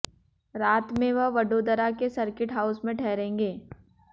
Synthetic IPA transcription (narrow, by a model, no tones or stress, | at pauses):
ɾaːt̪mẽʋɐɦʋɐɖoːd̪əɾakesɐɾkɪʈɦaːʊsmẽʈʰɛːɾẽːŋɡeː